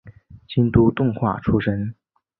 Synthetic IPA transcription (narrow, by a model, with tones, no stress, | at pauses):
t͡ɕi˥nt̪u˥t̪ʊ˥˧ŋxwa̰˥˩ʈ͡ʂʰu˥ʂə˥n